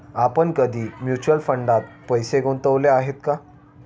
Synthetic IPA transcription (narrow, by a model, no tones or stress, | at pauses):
apəɳkəd̪ʱiːmjut͡ɕuəlfəɳɖat̪̚pəjseɡʱont̪əʋleaɦet̪ka